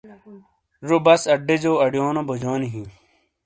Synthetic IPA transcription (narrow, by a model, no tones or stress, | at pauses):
ɾobɐsɐɖed͡ʑoːɐɖjoːnobod͡ʑoːniɦĩ